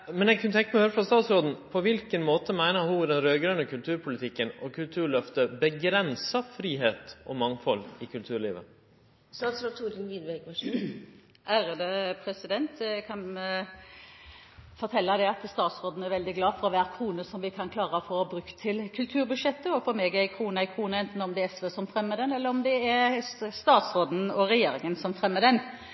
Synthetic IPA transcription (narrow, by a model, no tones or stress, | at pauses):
mɛnɛɡ̚kʰnət̪ʰɛŋkːəmɛhøːɾəfɾɑst̪ɑːt̪sɾoːd̪n̩pʰɔʋɪlkənmoːt̪əmæɪnəɾhud̪ɛnɾøːɡɾœnəkʰʉlt̪ʰʉːɾpʰʊlɪt̪ʰɪkːənɔkʰʉlt̪ʰʉːɾɭœft̪əbəɡɾɛnsəfɾiːɦeːt̪ɔmɑŋfɔlɪkʰʉlt̪ʰʉːɾɭiːʋə̰ | st̪ɑːt̪sɾoːt̪ʰuːɾd̪ənʋid̪bɛɡɑʂ | ʔæɾəd̪əpʰɾɛsɪd̪ɛnt̪kʰɑn | fɔɾt̪ʰɛlːɑd̪ɛɑt̪st̪ɑːt̪sɾoːd̪n̩ɛɾʋɛld̪ɪɡlɑːfɔɾɔʋæːɾkʰɾuːnəsɔmʋɪkʰɑnkʰlɑːʁəɔfɔʁbɾʉkt̪ʰːɪlkʰʉlt̪ʰʉːɾbʉd̪ʂɛt̪ːəɔfɔɾmeːɡɛkʰɾuːnəɛkʰɾuːnəɛnt̪n̩ɔmd̪ɛɛsʋøsɔmfɾɛmːəd̪ɛnɛlːəɾɔmd̪ɛæɾst̪ɑːt̪sɾoːd̪n̩ɔɾɛjeːɾɪŋənsɔmfʁɛmːəd̪ɛn